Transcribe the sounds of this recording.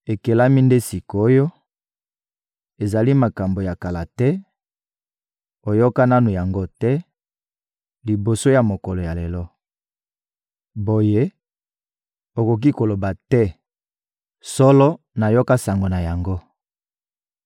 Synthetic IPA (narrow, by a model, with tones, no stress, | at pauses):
e˨ke˨la˦mi˦nde˦si˨ko˨o˦jo˦ | e˨za˨li˦ma˨ka˨mbo˨ja˨ka˨la˨tɛ˦ | o˨jo˦ka˦na˦nu˨ja˨ŋɡo˦tɛ˦ | li˨bo˨so˦ja˨mo˨kɔ˨lo˨ja˨le˨lɔ˦ | bo˨je˦ | o˨ko˨k̬i˦ko˨lo˨ba˨tɛ˦ | sɔ˦lɔ˦ | na˨jo˦ka˦sa˨ŋɡo˨na˨ja˨ŋɡo˦